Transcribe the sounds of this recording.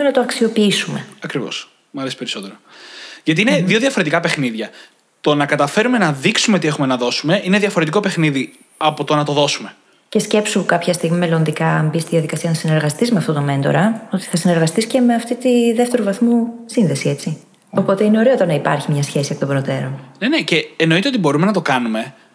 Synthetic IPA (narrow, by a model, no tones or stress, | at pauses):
onɐt̪oɐksio̞piisume̞ɐkɾivo̰s | mɐlesi̥peɾiso̞t̪eɾoʝɐt̪̬iineðioðʝɐfo̞ɾe̞t̪ikɐpe̞xniðʝɐ | t̪o̞nɐkɐt̪ɐfe̞ɾume̞nɐðiksumeo̞t̪ie̞xume̞nɐðo̞sume̞ʔineðʝɐfo̞ɾet̪iko̞pe̞xniði | ɐpo̞t̪onɐt̪oðo̞sume | ce̞sce̞psuukɐpçɐst̪iɣmime̞lo̞nd̪ikɐmbist̪iðiɐðikɐsiɐnɐsine̞ɾɣɐst̪izmeɐft̪o̞t̪o̞me̞nd̪o̰ɾɐo̞t̪i̥θɐsineɾɣɐst̪isce̞me̞ɐft̪it̪iðe̞ft̪e̞ɾuvɐθmusinðe̞sie̞t͡si | o̞po̞t̪eine̞o̞ɾe̞ot̪onɐipɐ̰ɾçimɲɐsçe̞siek̚ot̪obɾo̞t̪e̞ɾo̞nnenece̞ːno̞it̪eo̞t̪ibo̞ɾume̞nɐt̪o̞kɐnume̞